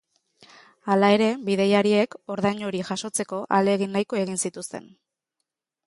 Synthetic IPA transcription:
alae̞ɾe̞biðe̞jaɾie̞ko̞ɾðajɲo̞ɾiʝaʃo̞t͡se̞ko̞ʔaleɣ̞inːajko̞e̞ɣ̞insit̪ust̪e̞̰n

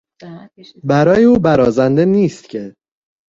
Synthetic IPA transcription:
bæɾɒːjeuːbæɾɒːzænd̪e̞niːst̪̚cʰe̞

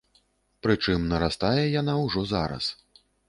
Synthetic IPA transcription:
pɾɨt͡ʂɨmnɐɾast̪ajɛjanawʐɔzaɾɐ̰s

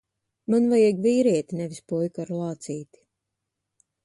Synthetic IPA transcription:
manvajɛɡviːɾiɛt̪ʲnɛvispɔjkaɾlˠɑːt̪siːt̪i̥

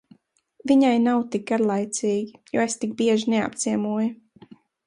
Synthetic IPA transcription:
viɲajnawt̪ik̚ɡaɾlˠajt̪siːɡʲijṵːest̪ik̚biɛʒnɛa̰p̚t̪siɛmuɔju

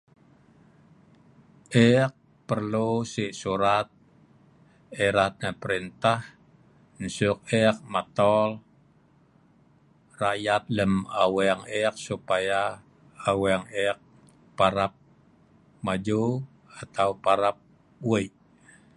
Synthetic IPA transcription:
ʔɛk̚ | pərlusiʔsuɾat̪̚ | ɛɾat̪̚nəpəɾint̪ah | n̩sʊk̚ɛk̚mat̪ɔl | rajat̪̚ləmawɛŋɛk̚supajaː | wɛŋɛk̚ | paɾap̚ | mad͡ʒu | at̪aupaɾap̚ | wəʔ

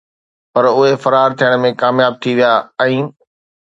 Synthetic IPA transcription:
pɐɾʊɦefɐɾaːɾt̪ʰijəɽ̃mẽkaːmjaːb̚t̪ʰiʋijaːɛ̃ː

